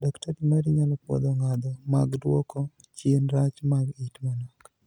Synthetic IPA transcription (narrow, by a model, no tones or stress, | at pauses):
dɔktaɾimaɾiɲalɔpwɔ̰d̪ɔŋad̪ɔma̰ɡdwɔkɔ | t͡ʃenɾat͡ʃmaɡitmanɔk